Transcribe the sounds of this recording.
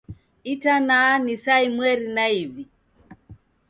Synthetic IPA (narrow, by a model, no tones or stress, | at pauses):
itanaːnisaimwɛɾinaivi